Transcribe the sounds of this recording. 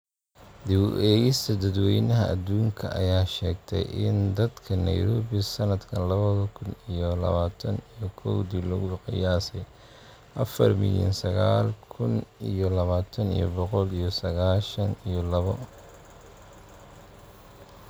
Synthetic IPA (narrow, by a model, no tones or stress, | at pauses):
d̪ɪwʔɛːɣɪst̪ʰɐd̪ɐd̪wɛjnɐɦɐ̰ʔɐd̪uːŋkʰɐʔɐjaːʃɛːɡt̪ʰɛ̰jʔɪ̰nd̪ɐd̪kʰɐnɐ̰jɾɔːβisɐnɐd̪kʰɐnlɐβɐðɐkʰʊnijɔlɐ̰βaːt̪ʰɐnijɔkʰɔwd̪ilʊɣʊqɑjaːsɛ | ʔɐfɐ̰rmɪ̰ljɐ̰nsɐɣaːlkʰʊnijɔlɐβaːt̪ʰɐnḭjɔ̰bɔqɔlijɔsɐɣaːʃɐnijɔlɐβɔ